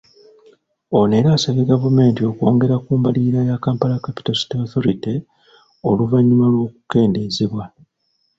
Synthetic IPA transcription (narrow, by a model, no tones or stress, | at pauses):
o̞neːɾaːsaβeɡavume̞ːntio̞ko̞ːŋɡe̞ɾakuːmbaliɾajakaːmpalakapi̥tosi̥toθo̞ɾite | o̞luvaɲːumalwo̞ːku̥ke̞ːnde̞zeβwa